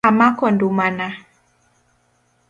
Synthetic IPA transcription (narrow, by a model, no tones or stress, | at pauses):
amakɔndumana